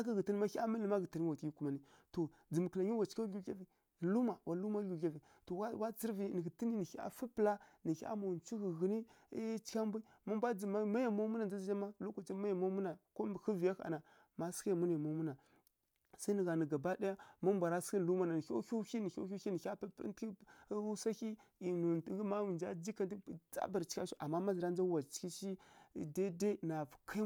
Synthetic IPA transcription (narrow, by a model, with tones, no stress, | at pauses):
a˦kə˦ɣə˨ti˦n˦ma˦a˦mə˦lə˨ma˦ɣə˨ta˨n˦wa˨tji˦ku˨ma˨ni˦to˨ | d͡zə˨m˨kə˨la˨ɲi˦wa˨t͡ʃi̥˦ka˦u˦a˦vi˨ | lu˦ma˨wʔa˨˦lu˦ma˦u˨ɮʲa˦vi˨ | to˨wa˦wa˦t͡si˦ɾvi˨nə˨ɡi˨ti˦ni˦ni˨˦a̰˨fi˦pə˨la˦nə˨˦a̰˦ma˨wnt͡ʃu˦ɣə˨ɣə˨ni˦ | t͡ʃi̥˦kʲa˦mbʷa˦ | ma˦mbʷa˦d͡zə˨ma˦ma˦ja˨ma˦mu˦na˨n˨d͡za˦zi˦d͡ʒa˦ma˦lo˦kʷa˨t͡ʃa˦ma˦ja˨ma˦mu˦na˨ko˦˨xi˦vi˨ja˦xa̰˨na˨ | ma˦ska˦ja˨mu˦n˨a˨mo˦mu˦na˨ | sa˦nə˨ɣa˨nə˨ɡa˨ba˦da˦ja˦ma˦m˦bʷa˨ɾa˦si˦n˨lu˦ma˦na˨nə˨o̰˦u˦i˦ni˨o̰˦u˦i˦ni˨˦a˦ppti˦u˦sa˦ki˦i˨nu˨tɡi˦ma˦u˨nd͡ʒa˦d͡ʒi˦ka˦n˦˨t͡sa̰˦ba˨ɾt͡ʃi̥˦kʲa˦ʃu˦ʔa˨mːa˦ma˦zi˨ɾa˦n˦d͡ʒa˦wa˨t͡ʃi̥˦ki˦ʃi˦˨da˦de˦na˨vkʰa˦